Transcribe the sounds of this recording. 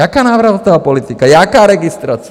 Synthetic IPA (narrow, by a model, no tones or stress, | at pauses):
akaːnaːʋɾaʋt̪naʋapɔlit̪ikajakaːɾɛɡist̪ɾaːt͡s